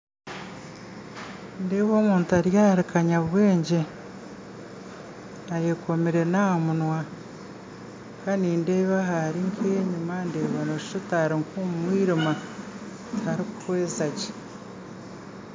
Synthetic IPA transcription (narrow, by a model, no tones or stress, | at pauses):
ndeːβoːmuːntaɾjaːɾikaɲaβweːɲɟe | ajekʰomiɾe̞naːmunwa | kʰaniːndeβaɦaɾiŋkʰeɲimande̞ːβanoʃi̥ʃotaɾiŋkuːmumwiːɾima | tʰaɾiku̥kweːzace̥